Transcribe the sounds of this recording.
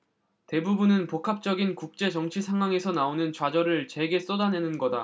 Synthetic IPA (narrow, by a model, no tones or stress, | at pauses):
te̞bubunɯnpokʰap̚t͡ɕ͈ʌɡinkuk̚t͡ɕ͈e̞t͡ɕʌŋt͡ɕʰisʰaŋɦwaŋe̞sʰʌnaonɯnt͡ɕwad͡ʑʌɾɯɭt͡ɕe̞ɡe̞s͈odane̞nɯnɡʌda